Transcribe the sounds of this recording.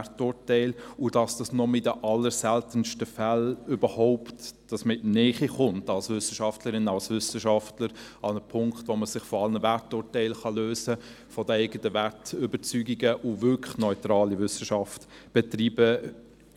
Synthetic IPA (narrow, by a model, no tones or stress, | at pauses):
tʊːtɛɪlʊd̥ɑsd̥ɑsnɔmɪdəʔɑlːəɾsɛltənʃtəfælʏbəhɔʊptd̥ɑsmɪtnɛːχiχʊntɑlsvʏsəʃɑftləɾɪnːəɑlsvʏsəʃɑftləɾɑnəpʰʊŋktʋoməsɪχfɔɑlnəvæɹtʊːtɛɪlχɑløːsə | fɔdəɛɪɡətəvæɹtʏbət͡syːɡiɡəʔʊvʏkʰəχnɔʏtɾɑːlivʏsəʃɑft | b̥ɛtɾiːbə